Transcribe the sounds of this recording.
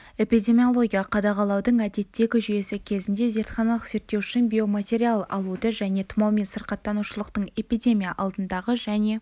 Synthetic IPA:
e̞pijd̪ʲe̞mʲijo̞lˠo̞ɡʲijɑqʰɑd̪ɑʁɑlˠɑwd̪əɴæd̪e̞t̪ːe̞ɡʲɪʒʏje̞sɪkʲʰe̞zɪnd̪e̞ze̞ɾt̪χɑnɑlˠəqz̥e̞ɾt̪ːe̞wʏʃɪnbʲio̞mat̪ʲe̞ɾʲialˠɑ̰lˠud̪əʒæne̞t̪ʰʊmɑwmensəɾqɑt̪ːɑnuʃəlˠəqt̪əɴe̞pijd̪ʲe̞mʲijaʔɑlˠd̪ənd̪ɑʁəʒæne̞

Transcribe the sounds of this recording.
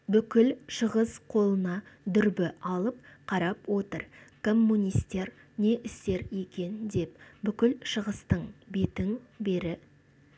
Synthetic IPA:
bʏkʲɪlʃəʁəsqʰo̞lˠənɑd̪ʏɾbɪʔɑlˠəp̚qʰɑɾɑpwo̞t̪əɾkʰo̞mːunʲijst̪e̞ɾ | ne̞ʔɪst̪e̞ɾje̞kʲe̞nd̪e̞pbʏkʲɪlʃəʁəst̪əɴbe̞t̪ɪŋbe̞ɾɪ

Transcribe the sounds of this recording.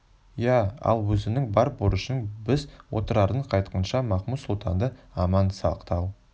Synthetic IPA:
jæɑ̰lˠwɵzɪnɪŋbɑɾbʊɾəʃənbɪzwo̞̰t̪əɾɑɾd̪əɴqʰɑjt̪qənʃɑmɑχmut̪sʊlˠt̪ʰɑnd̪əɑmɑnsɑqt̪ɑw

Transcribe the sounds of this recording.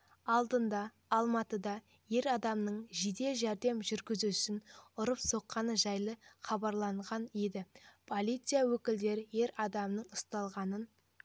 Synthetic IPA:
ɑlˠd̪ənd̪ɑː | lˠmɑt̪əd̪ɑ | je̞ɾɑd̪ɑmnəɴʒid̪e̞ʒæɾd̪e̞mʒʏɾɡʲɪzusɪnʊɾəpso̞qːɑnəʒɑjlˠəχɑbɑɾlˠɑɴʁɑnjed̪ɪpʰo̞lʲˠijt̪sɨjawɵkʲɪld̪e̞ɾɪje̞ɾɑd̪ɑmnəɴʊst̪ɑlˠʁɑnən

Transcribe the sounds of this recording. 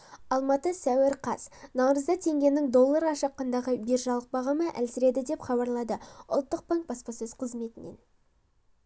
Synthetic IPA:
ɑlˠmɑt̪əsæweɾqʰɑsnɑwɾəzd̪ɑt̪ʰe̞ŋɡʲe̞nɪŋd̪o̞lˠːɑɾɑʃɑqːɑnd̪ɑʁəbeɾʒɑlˠəq̚bɑʁɑməʔæ̰lsɪɾe̞d̪ɪd̪e̞pχɑbɑɾlˠɑd̪əʊ̰lˠt̪ːəq̚baŋk̚bɑspɑsɵz̥qʰəzme̞t̪ɪne̞̰n

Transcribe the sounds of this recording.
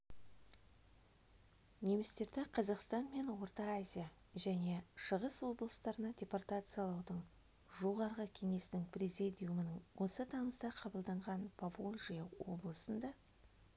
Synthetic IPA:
ne̞mɪst̪e̞ɾd̪ɪqʰɑzɑqst̪ɑnme̞nwo̞rt̪ɑːzʲija | ʒæne̞ʃəʁəswo̞blˠəst̪ɑɾənɑdʲe̞part̪at̪sɨjɑlˠɑwd̪əɴ | ʒo̞ʁɑɾʁəkʲʰe̞ŋe̞st̪ɪŋprʲezʲid̪ʲijumənəɴwo̞sət̪ʰɑməzd̪ɑqʰɑbəlˠd̪ɑɴʁɑnpʰavolʲˠʒijawo̞̰blˠəsənd̪ɑ

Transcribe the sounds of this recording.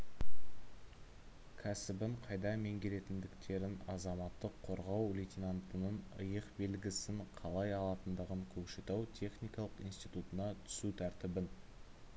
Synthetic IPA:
kʲʰæsɪbɪɴqʰɑjd̪ɑme̞ŋɡʲe̞le̞t̪ɪnd̪ɪkt̪ʰe̞ɾɪnɑzɑmɑt̪ːəqʰːo̞ɾʁɑwlʲet̪ʲinant̪ənənə̰jəqbe̞lɡʲɪsɪŋqʰɑlˠɑjɑlˠɑt̪ənd̪əʁəŋkʲʰɵkʃet̪ɑwt̪ʲʰe̞χnijkɑlˠəqijnst̪ijt̪ut̪ənɑt̪ʰʏ̥sut̪ʰæɾt̪ɪbɪn

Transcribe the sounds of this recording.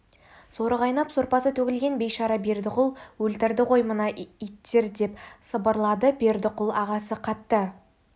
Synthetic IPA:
so̞ɾəʁɑjnɑpsoɾpɑsət̪ʰɵkʲɪlɡʲe̞nbejʃɑɾɑbe̞ɾd̪ɪqʊlˠwɵlt̪ɪɾd̪ɪqo̞jmənɑijt̪ːe̞ɾd̪e̞psəbəɾlˠɑd̪əbe̞ɾd̪ɪqʊlˠɑʁɑsəqʰɑt̪ːə

